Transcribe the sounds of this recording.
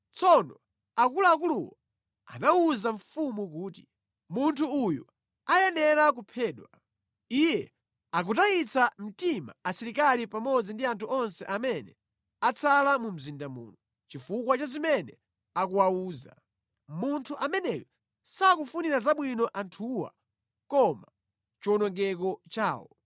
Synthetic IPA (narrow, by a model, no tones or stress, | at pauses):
t͡sʰɔnɔ | akulaːk̬uluwɔ | a̰nauzaɱfumuk̬uːti̥ | muntʰuːjṵ | ajɛnɛɾak̬upʰɛːɗwa | ijɛ | ak̬utait͡sʰam̩tima̰asiɾikalipamɔd͡zindiantʰuɔnsɛʔamɛnɛ | at͡sʰalamum̩zindamṵːnɔ | t͡ʃifukwat͡ʃazimɛnɛ | akuwawuːza̰ | muntʰuʔamɛnɛjɔ | sakufuniɾazaɓwinɔʔantʰuːwa̰ | kɔma | t͡ʃɔnɔŋɡɛkɔt͡ʃaːwɔ̰